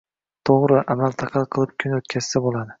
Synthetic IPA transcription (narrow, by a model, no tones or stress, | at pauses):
t̪ʰoʁɾɪʔamalt̪ʰɑqʰɑlˠqʰɨlˠɪp̚kʲʰʊnɵt̪kʲʰaz̥sabolˠad̪ɪ